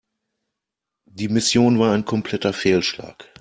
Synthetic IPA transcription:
d̥iːmɪsjoːnvaːɐaɪnkʰɔmpl̥ɛtɐfeːlʃla̰ːk

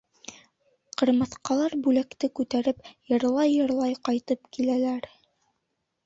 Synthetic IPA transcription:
qɤ̆ɾmɤ̆θqɑlˠɑɾbʉlækt̪ɘkʉt̪æɾɘpjɤ̆ɾlˠɑjːɤ̆ɾlˠɑjqɑjt̪ɤpkilælæɾ

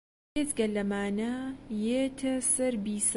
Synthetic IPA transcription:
izɡɐlɐmaːnajeːt̪ʰɐsɐɾbiːs

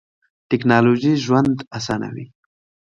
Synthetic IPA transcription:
ʈɪknɑloʒiʒwand̪asɑna̰wḭ

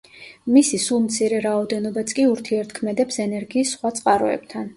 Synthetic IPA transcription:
misisulˠmt̪sʰiɾɛɾaɔd̪ɛnɔbat̪sʰʼkʼiuɾt̪ʰiɛɾt̪ʰkʰmɛd̪ɛpsɛnɛɾɡiːsːχwat̪sʼqʼaɾɔ̰ɛ̰bt̪ʰan

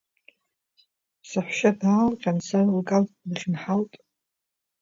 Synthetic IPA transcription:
saħʷʃadaːlqʲʼansarlkʼalʼlɨχʲnħaltʼ

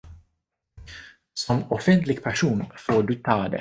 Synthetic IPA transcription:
sɔmɔfɛnt̪lɪɡpʰæʂuːnfoːɖɵt̪ʰɑːd̪ɛ̰

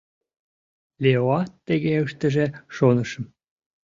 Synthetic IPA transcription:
lʲeoɑt̪ːeɣeəʃt̪ə̆ʒeʃonəʃə̆m

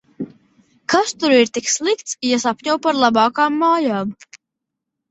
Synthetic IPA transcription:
kast̪uɾiɾt̪ikslˠikt̪sjasapʲɲɔwpaɾlˠabaːkaːmːaːjaːm

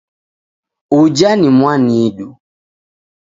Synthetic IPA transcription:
ud͡ʒanimwanieɗu

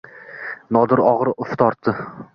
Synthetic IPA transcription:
nɒd̪ɪɾɒʁɾʊft̪ʰɒɾt̪ʰːɪ

